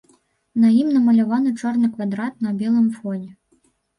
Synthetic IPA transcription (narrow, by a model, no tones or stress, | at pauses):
nɐjimnɐmɐlʲavanɨt͡ʂɔrnɨkvad̪ɾat̪̚nɐbʲɛlˠɨmfɔnʲɛ